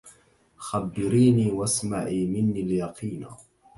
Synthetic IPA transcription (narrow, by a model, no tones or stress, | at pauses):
xabːɪɾiːniːwasma̰ʕiːmɪnːiljɑqʰiːn